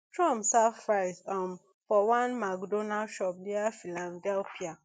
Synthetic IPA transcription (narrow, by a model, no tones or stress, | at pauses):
tʰɹɔ̃msaffɹaɪsam | fɔwãnmakdonaʃɔp̚diafilãndɛlpia